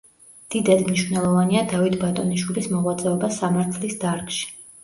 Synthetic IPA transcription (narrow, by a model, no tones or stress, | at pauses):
d̪̥id̪ad̪mniʃvnɛlˠɔvaniad̪avit̪ʰbat̪ʼɔniʃwilismɔʁwat̪sʼɛɔbasamaɾt̪ʰlisd̪aɾɡʃi̥